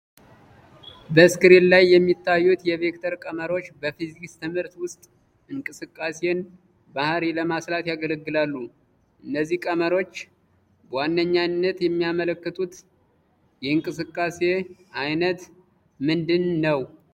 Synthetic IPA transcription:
bəskɨɾellajːɛmːit̪ʰːajːut̪jɛve̞kt̪ʰəɾkʼəməɾo̞t͡ʃːbəfizikst̪ʰɨmhɨɾt̪wʊst̪ʼ | ɨŋkʼɨsɨkʼːase̞n | bahɾiləmaslat̪jaɡələɡːɨlalːu | ʔɨnːəzːihkʼəməɾo̞t͡ʃː | bəwanːəɲːanːət̪jɛmːijamələkːət̪ʼut̪ | jɛɨŋkʼɨsɨkʼːase̞ʔajnət̪ | mɨnd̪ɨnːəw

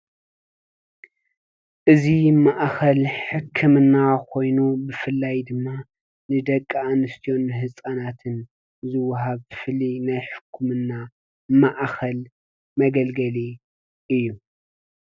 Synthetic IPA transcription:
ʔɨzimaʔxɐlħɨkʰːɨmɨnːakʰo̞jnubɨfɨlːajd̪ɨmːa | nɨd̪ɐkʼːaanɨst̪ʰijo̞nːɨɦɨsʼanat̪ʰɨn | zɨwːɐɦaβfɨlinajħɨ̥kʰːumɨnːa | maʔxɐl | mɐɡɐlɡɐli | ʔɨjːu

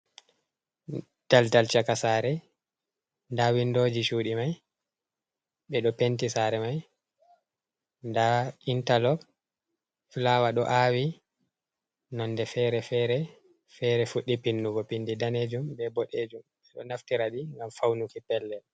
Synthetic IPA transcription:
taltalt͡ʃakasaɾɛ | ndawindod͡ʒiʃuːɗimaj | ɓɛɗɔpentisaɾɛmaj | ndaintalɔb | flawaɗɔ̰ʔawi | nɔndɛfɛɾɛfɛɾɛ | fɛɾɛfuɗːipinːuɡɔpindidaned͡ʒumbɛbɔɗed͡ʒumɓɛɗɔnaftiɾaɗiŋɡamfawnukipɛlːɛ

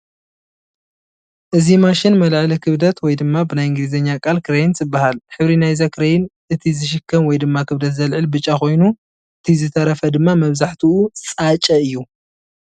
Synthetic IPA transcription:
ʔɨzimaʃɪnmɐlʕlikʰɨβd̪ɐt̪wɔjd̪ɨmːabɨnajɨŋɡlizɐɲːakʼalkʰɨɾejinzɨbːahalħɨβɾinajzakʰɨɾɐjɪnʔɨt̪ʰizɨʃ̬ɪkʰːɐmwɔjd̪ɨmːakʰɨβd̪ɐt̪zɐlʕɨlbɨt͡ʃʼːako̞jnu | ʔɨt̪ʰizɨt̪ʰɐɾɐfɐd̪ɨmːamɐβzaħt̪ʰiut͡sʼat͡ʃʼɐɨjːu

